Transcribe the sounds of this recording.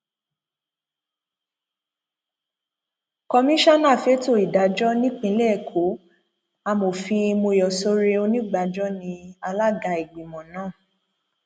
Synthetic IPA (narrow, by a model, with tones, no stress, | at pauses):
kɔ˧mĩ˦ʃa˦nãː˦˨fe˦to˦˨i˨da˨˦d͡ʒɔ˦nĩ˦k͡pĩ˦˧˨lɛ˦˨kʰo˨˦ | a˧mo˨fĩ˧mo˧jɔ˨so˦ɾe˧o˧nĩ˦ɡ͡ba˧˦d͡ʒɔ˦nĩ˧a˧la˦ɡa˧i˨ɡ͡bi˨mɔ̃˨nãː˦˨